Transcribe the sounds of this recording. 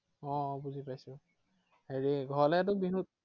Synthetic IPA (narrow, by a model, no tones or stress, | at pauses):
ɔ̃buzipajsʊ̃ | heɹiɡʱɔlɛɛt̬ʊbinut̚